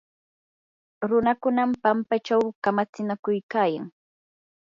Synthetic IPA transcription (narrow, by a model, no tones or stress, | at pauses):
ɾʊnakʊnampampat͡ʃawkamat͡sɪnakʊjkaːja̰ŋ